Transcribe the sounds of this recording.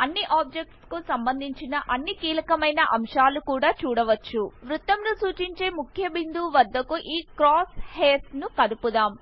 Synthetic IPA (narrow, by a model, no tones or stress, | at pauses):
ɐnːiʔaːb̚d͡ʒek̚ʈskusɐmbɐnd̪ʱiɲt͡ʃinɐʔɐnːikiːlɐkɐmɐjnɐʔɐmʂaːlukuːɽaːt͡ʃuːɽɐʋɐt͡ʃːuʋɾut̪ːɐmnusuːt͡ʃiɲt͡ʃe̞ːmukʰjɐbind̪uːʋɐd̪ːɐkuʔiːkɾaːsheːsnukɐd̪upud̪aːm